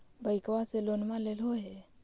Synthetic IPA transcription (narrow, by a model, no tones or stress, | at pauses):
bəɪkwaselonmãlelɦoɦɛ